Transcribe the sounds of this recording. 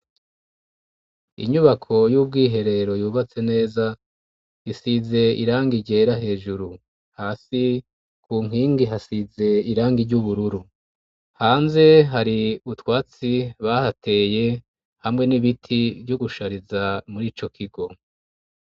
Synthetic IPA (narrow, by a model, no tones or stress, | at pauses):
ḭɲuβakʰo̞juːb̚ɡiːɦe̞ɾe̞ɾo̞juːβat͡se̞ne̞ːza | isize̞ḭɾaːŋɡiɟeːɾaɦe̞ːʒuɾu | haːsi | kʰuːŋiːŋɡiɦasize̞iɾaːŋɡiɾɟuβuɾuɾu | haːnze̞ɦaɾiutwaːt͡siβahate̞ːje̞ | hamŋe̞niβitʰivjoɡuʃaɾizamuɾiːt͡ʃo̞kʰiɡo̞